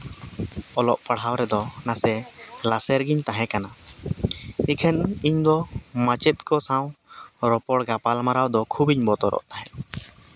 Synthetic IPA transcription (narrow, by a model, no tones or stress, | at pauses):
ɔlɔʔpəɽ̤ɦawɾɛd̪ɔnasɛlasɛɾɡiɲt̪aɦɛ̃kana | ikʰɛniɲd̪ɔmat͡ʃɛt̪̚kɔsãwɾɔpɔɽɡapalmaɾawd̪ɔkʰubiɲbɔt̪ɔɾɔ̰ʔt̪aɦɛ